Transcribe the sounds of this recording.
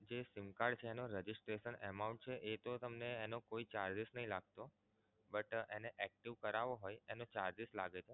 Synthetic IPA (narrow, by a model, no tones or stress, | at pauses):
d͡ʒesɪmkaɽt͡ʃʰeːnoɾɛd͡ʒisʈɾeʃənɛmauɳʈ̚t͡ʃʰeʔet̪ot̪əmneːnokoit͡ʃaɾd͡ʒisnəɦĩlaɡ̚t̪o | bəʈeneʔɛk̚ʈiʋkəɾaʋoɦojenot͡ʃaɾd͡ʒislaɡet͡ʃʰe